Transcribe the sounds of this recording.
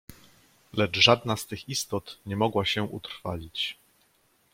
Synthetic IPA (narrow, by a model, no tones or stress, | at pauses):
lɛd͡ʐʐad̪nast̪ɘxist̪ɔt̪ɲɛmɔɡwaɕɛʔṵt̪ɾfalʲit͡ɕ